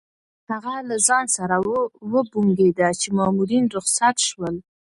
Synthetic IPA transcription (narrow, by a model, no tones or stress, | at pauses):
haɣalazɑnsaɾawəbuŋɡed̪at͡ʃemɑmuɾinɾʊxsat̪ʃwəl